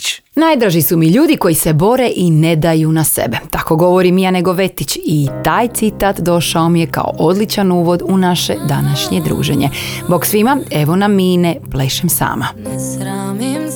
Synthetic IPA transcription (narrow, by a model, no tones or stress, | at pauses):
naːjd̪ɾaʒisumiʎuːd̪iko̞jise̞bo̞ɾe̞ʔine̞d̪ajunasḛbe̞t̪ako̞ɡo̞ʋo̞ɾimjane̞ɡo̞ʋe̞t̪it͡ɕit̪aːjt̪sit̪aːt̪d̪o̞ʃao̞mijeka̰o̞̰ʔod̪lˠit͡ʃanuːʋo̞d̪unaʃed̪anaʃɲed̪ɾṵːʒḛɲe̞̰boksʋimae̞ʋo̞naminepleʃemsa̰ːma